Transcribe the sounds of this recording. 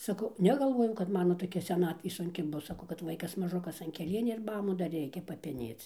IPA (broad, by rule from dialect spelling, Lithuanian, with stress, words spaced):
sɐˈkɐʊ nʲɛɡɐlˠˈʋoːjɛʊ kɐt ˈmɑːnoː toːˈkʲɛ sʲɛˈnɑːtʲʋʲeː sʊŋʲˈkʲɪ ˈbʊs sɐˈkɐʊ kɐt ˈʋɐɪkɐs mɐˈʒʊkɐs ɐn kʲɛˈlʲiɛnʲʊ ɪr ˈmɑːmʊ dɐr ˈrʲɛɪkʲɛ pɐpʲɛˈnʲeːt͡s